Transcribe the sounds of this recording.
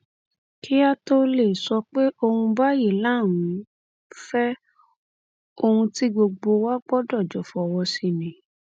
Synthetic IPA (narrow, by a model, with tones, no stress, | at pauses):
ki˦a˦to˦le˨sɔ˧k͡pe˦ʔo˧hũ˧ba˦je˨lã˦˨ũ˨˦ | fɛ˦ | o˧hũ˧ti˦ɡ͡bo˧ɡ͡bo˧wa˦ɡ͡bɔ˦dɔ˦˨d͡ʒɔ˨fɔ˨wɔ˧si˧nĩ˨